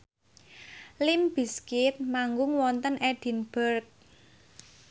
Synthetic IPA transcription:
limb̥i̤skɪt̪̚maŋɡʊŋwɔnt̪ənʔɛɖ̥i̤nb̥ərk̚

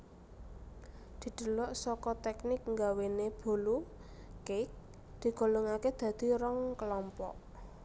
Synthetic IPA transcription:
d̪̥i̤d̪̥ə̤lɔʔsɔkɔt̪ɛknɪk̚ŋɡaweneb̥o̤lu | kɪk̚ | d̪̥i̤ɡ̥o̤loŋaked̪̥ä̤d̪̥i̤ɾɔŋkəlɔmpɔ̰ʔ

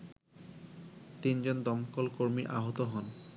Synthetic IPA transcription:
t̪ind͡ʑond̪ɔmkolkoɾmiɾʔa̰ɦot̪oɦɔn

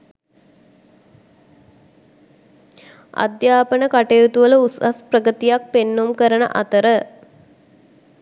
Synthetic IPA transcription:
a̰d̪jaːpənəkaʈejut̪uʋələusasprəkət̪ijak̚penːumkəɾənə̰ʔa̰t̪əɾə

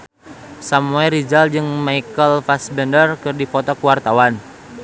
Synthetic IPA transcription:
samuɛrid͡ʒald͡ʒɨŋmaikəlfasbɛndərkɨrdifɔt̪ɔkuwart̪awan

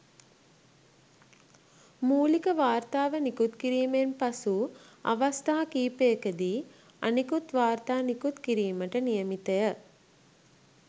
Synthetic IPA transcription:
muːlikəʋaːrt̪aːʋənikut̪kiɾiːmenpasua̰ʋast̪aɦakiːpeːkəd̪iː | a̰nikut̪ʋaːrt̪aːnikut̪kiɾiːməʈənijəmit̪əjə

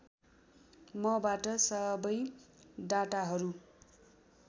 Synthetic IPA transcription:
mʌbaʈʌsʌbʌjɖaʈaɦʌɾu

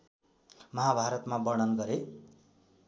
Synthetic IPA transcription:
mʌɦabʱaɾʌt̪mabʌɽ̃ʌnɡʌɾe

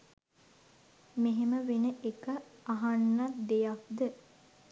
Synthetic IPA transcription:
meɦeməʋenəʔekəaɦanːad̪ejak̚d̪ə

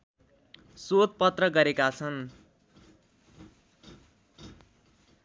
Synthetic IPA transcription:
sot̪̚pʌt̪rʌɡʌɾekat͡sʰʌn

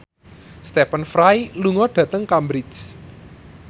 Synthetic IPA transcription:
st̪ɛpənfɾajluŋɔɖ̥ä̤t̪əŋkambɾɪs

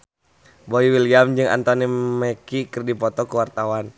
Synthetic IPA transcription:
boiwiliamd͡ʒɨŋa̰nt̪ɔnimɛkikɨrdipɔt̪ɔkuwart̪awan

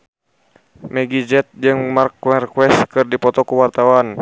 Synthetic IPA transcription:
mɛɡid͡ʒɛt̪̚d͡ʒɨŋmarkwɛrkwɛskɨrdipɔt̪ɔkuwart̪awan

